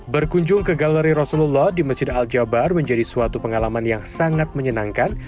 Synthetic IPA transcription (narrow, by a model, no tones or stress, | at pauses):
bərkuɲd͡ʒʊŋkəɡaləɾiɾɔsululːɔhdiməsd͡ʒɪdald͡ʒabarməɲd͡ʒadisuat̪upəŋalamanjaŋsaŋat̪̚məɲənaŋkan